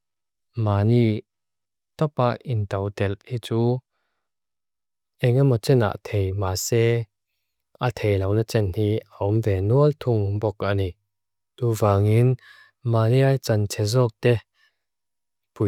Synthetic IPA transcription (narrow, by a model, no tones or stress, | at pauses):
maːni | t̪ɔpaʔint̪ɐwt̪ɛlhiːt͡suː | ʔɛŋamɔt͡sɛna̰ʔt̪ʰejmaːsɛ | ʔat̪ʰejlɐwnɐt͡sɛnhiːaɔmvɛːnuəlt̪ʰuŋbɔkani | t̪uːvaːŋin | maːliajt͡sant͡sʰɛzɔk̚t̪ɛ | pu